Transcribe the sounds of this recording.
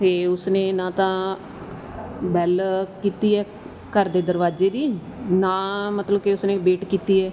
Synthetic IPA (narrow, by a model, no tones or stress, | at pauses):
eːʊsnẽːnãːt̪ãː | bɛːlkiːt̪iːɛː | kəɾd̪eːd̪əɾʋaːzeːd̪iːnãːmət̪ləbkeʊsnẽːbeːʈkiːt̪iːɛː